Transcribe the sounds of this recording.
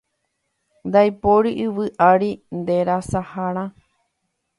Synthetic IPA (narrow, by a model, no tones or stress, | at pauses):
nd̪ajpoɾiʔɨʋɨʔaɾind̪eɾasahaɾ̃ã